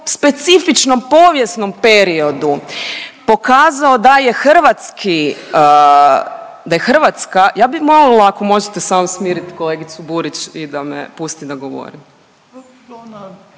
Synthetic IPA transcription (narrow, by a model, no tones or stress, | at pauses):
spe̞t̪sifit͡ʃno̞mpo̞ːʋje̞sno̞mpe̞ɾio̞d̪u | po̞kaːzaod̪ajexr̩ʋat̪skʰi | d̪ajexr̩ʋat̪skajaːbimolilaːkomo̞ʒet̪esaːmusmiːɾit̪ko̞leɡit̪subuɾit͡ɕid̪ameɛ̰pust̪id̪aɡo̞ʋo̰ɾim